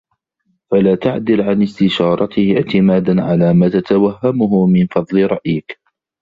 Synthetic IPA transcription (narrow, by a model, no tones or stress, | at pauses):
falaːt̪aʕd̪ɪlʕanɪst̪ɪʃɑːɾˤɑt̪ɪhɪʕt̪ɪmaːd̪anʕalaːmaːt̪at̪awaɦːamʊhʊmɪnfɑd̪ˤlɪɾˤɑʔjɪk